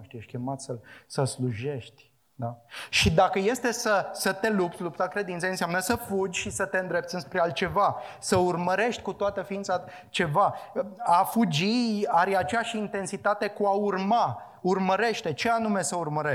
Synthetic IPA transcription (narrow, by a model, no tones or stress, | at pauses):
ʃt̪ijeʃʲkʲemat̪səlsəlsluʒe̞ʃt̪ʲ | d̪aʃid̪akəje̞st̪e̞səsət̪e̞lup̚t̪sʲlup̚t̪akɾe̞d̪int̪sejənsjamnəsəfud͡ʒʲʃisət̪e̞ɨnd̪ɾe̞p̚t̪sɨnspɾealt̪̚t͡ʃe̞vasəurməɾe̞ʃt̪ʲkut̪oat̪əfiint̪sa | t͡ʃe̞vaafud͡ʒiaɾat͡ʃejaʃint̪e̞nsit̪at̪e̞kuaurma | urməɾe̞ʃt̪e̞t͡ʃe̞anume̞səurməɾe